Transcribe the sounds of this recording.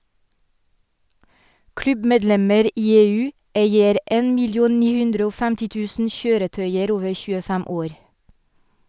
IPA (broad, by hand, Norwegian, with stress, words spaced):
ˈklʉbmeːdˌlɛməɾ ˈʔiː ˈeːˌʉː ˈʔeɪəɾ ˈʔɛn mɪlɪˈuːn ˈniː ˈhʉndɾə ˈoː ˈfæmtɪ ˈtʉːsn̩ ˈçøːɾəˌtœʏəɾ ˈoːʋə çʉːəˈfæm ˈoːɾ